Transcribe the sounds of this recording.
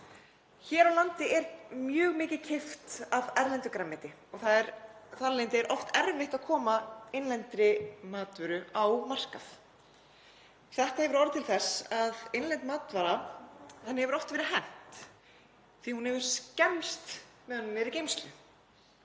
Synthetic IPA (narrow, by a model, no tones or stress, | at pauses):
çɛːɾawlant̪ɪʔɛɾmjœːɣmɪːcɪcʰɪft̪avɛɾlɛnt̪ʏkɾamːɛt̪ɪ | ɔɣθaðɛɾθaɾlejnt̪ɪɛɾʔɔft̪ɛɾvɪht̪aðkʰɔːmaejnlɛnt̪ɾɪmaːt̪vʏɾʏawmar̥kaθ | θɛht̪ahɛvʏɾɔɾɪt̪ʰɪlθɛsaðejnlɛnt̪maːt̪vaɾahɛnːɪhɛvʏɾɔft̪vɛːɾɪɦɛn̥t̪ | θihunhɛvʏɾ̥scɛmst̪ | mɛðɔnːʏmːɛɾɪcejmst̪lʏ